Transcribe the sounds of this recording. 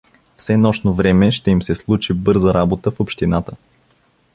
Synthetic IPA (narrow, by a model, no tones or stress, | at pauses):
fsɛnɔʃnovɾɛmɛʃt̪ɛimsɛslˠut͡ʃibɤɾzəɾabot̪əfopʃt̪inat̪ə